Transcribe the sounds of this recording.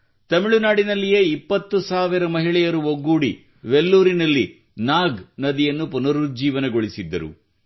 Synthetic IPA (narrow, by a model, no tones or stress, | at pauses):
t̪ɐmiɭunaːɽinɐlːije̞ːipːɐt̪ːusaːʋiɾɐmɐɦiɭɛjɐɾuʋoɡːuːɽi | ʋelːuːɾinɐlːi | naːɡnɐd̪ijɐnːupunɐɾud͡ʒiːʋɐnɐɡoɭisid̪ːɐ̰ɾṵ